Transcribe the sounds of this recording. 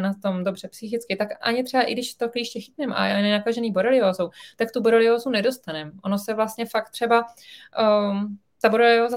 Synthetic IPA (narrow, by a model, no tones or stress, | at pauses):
nat̪o̞mdo̞br̝̥ɛpsɪxɪt͡skɪt̪akʔa̰ɲɪt̪r̥ɛbaʔɪ̰ɡdɪʃt̪okliːʃcɛxɪt̪nɛmʔa̰nɛnakaʒɛniːboɾɛlɪoːzowt̪ak̚t̪uboɾolɪoːzunɛdo̞st̪anɛmʔo̞nosɛvlast̪ɲɛfak̚t̪r̝̥ɛba | t̪aboɾolɪoːza